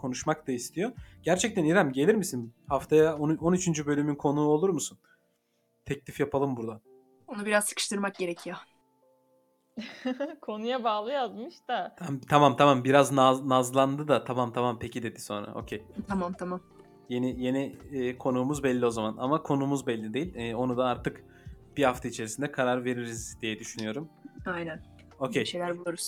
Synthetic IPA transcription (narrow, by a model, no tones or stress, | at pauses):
kʰo̞nuʃmak̚t̪aist̪ʰijo̞ɾɟ̥æɾt͡ʃʰɛc̚t̪ʰæniɾæmɟe̞lʲiɾmisinhaft̪ʰajaononyt͡ʃʰynd͡ʒybø̞lʲymynkʰo̞nuːo̞lˠuɾmusun | t̪ʰɛclʲifjapʰalˠɯmbuɾd̪an | onubiɾazsɯ̥kɯ̥ʃt̪ɯɾmak̚ɟe̞ɾecʰijo | kʰo̞nujabaːlˠɯjazmɯʃt̪aamt̪ʰamamt̪ʰamambiɾaznaznazlˠand̪ɯd̪at̪ʰamamt̪ʰamampʰecid̪e̞d̪iso̞nɾa̰ʔo̞̰cʰejt̪ʰamamt̪ʰamam | jenije̞niːkʰo̞nuːmuzbɛlʲːio̞zamana̰makʰo̞nuːmuzbɛlʲːid̪e̞jilʲɛːo̞nud̪aaɾt̪ɯk | b̥ihaft̪ʰait͡ʃʰe̞ɾisind̪ɛkʰaɾaɾve̞ɾiɾizd̪ijɛd̪yʃynyjo̞ɾumajnæn | o̞kʲʰejʃejlʲæɾbulˠuɾuz̥